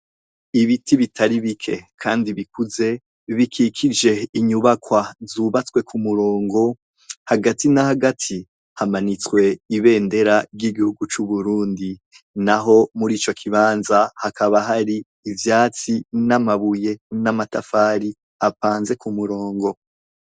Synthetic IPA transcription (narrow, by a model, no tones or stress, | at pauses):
iβitʰiβitʰaɾiβikʰe̞kʰaːndiβikuze̞ | βikʰikʰid͡ʒe̞iɲuβakwazuβat͡swe̞kumuɾo̞ːŋɡo̞ | haɡatinahaɡatʰi | hamanit͡swe̞iβe̞ːnde̞ɾaɾɟiɡihuɡut͡ʃuβuɾuːndi | naɦo̞muɾiːt͡ʃo̞kʰiβaːnzahakaβaɦaɾiː | vjaːt͡sinamaβuje̞namatafaːɾi | apaːnze̞kumuɾo̞ːŋɡo̞